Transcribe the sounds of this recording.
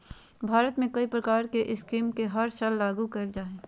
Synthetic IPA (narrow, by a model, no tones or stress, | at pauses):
bʱaːɾət̪mẽkɐipɾɐkaːɾkeʔɪskiːmkeɦɐɾt͡ʃalːaːɡukɐld͡ʒaːɦẽː